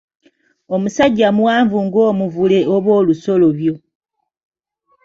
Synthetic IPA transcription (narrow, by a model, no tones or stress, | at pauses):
omusaɟːamuwaːɱvuŋɡo̞ːmuvule̞oβwoːluso̞loβjo̞